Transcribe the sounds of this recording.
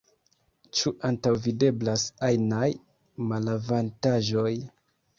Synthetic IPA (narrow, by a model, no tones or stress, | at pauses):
t͡ʃuʔantawvide̞blasajnaj | malavantaʒo̞j